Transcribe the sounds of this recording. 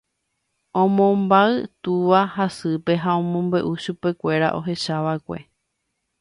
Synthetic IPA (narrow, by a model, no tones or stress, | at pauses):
õmõmbaɨt̪uʋahasɨpe̞ɦaõmõmbe̞ʔuʃupe̞kʷe̞ɾa̰ʔo̞ɦe̞ʃaʋakʷe̞̰